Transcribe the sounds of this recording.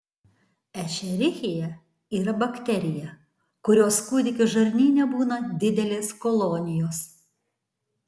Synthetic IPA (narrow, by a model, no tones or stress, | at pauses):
ɛʃʲɛɾʲɪxʲɪjɛ | iːɾɐbɐkʲt̪ʲɛɾʲɪjɛ | kʊɾʲoːskuːd̪ʲɪkʲɪʒɐɾʲnʲiːnʲɛbuːnɐd̪ʲɪd̪ʲɛlʲeːskɔlˠɔːnʲɪjoːs